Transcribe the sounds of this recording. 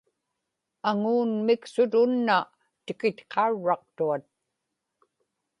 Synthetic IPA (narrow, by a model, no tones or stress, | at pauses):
aŋuːnmɪksʊt̪ʊnːa | t̪ɪkɪt̪qʰɑuɻːɑq̚t̪uat̪̚